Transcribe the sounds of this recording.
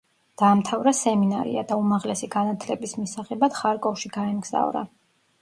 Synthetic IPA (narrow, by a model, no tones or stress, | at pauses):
d̪̥aːmt̪ʰavɾasɛminaɾḭa̰d̪aumaʁlɛsiɡanat̪ʰlɛbismisaʁɛbad̪̥χaɾkʼɔfʃiɡaɛmɡz̥a̰vɾa̰